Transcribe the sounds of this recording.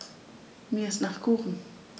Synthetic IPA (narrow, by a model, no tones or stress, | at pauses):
miəsnaχkuːχn̩